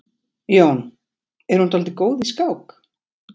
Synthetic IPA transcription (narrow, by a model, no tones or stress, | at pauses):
jown | ɛɾ̥hunt̪ʰalt̪ɪkoːwðiskawk